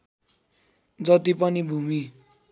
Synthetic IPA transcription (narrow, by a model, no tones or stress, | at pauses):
d͡zʌt̪ipʌnibʱumi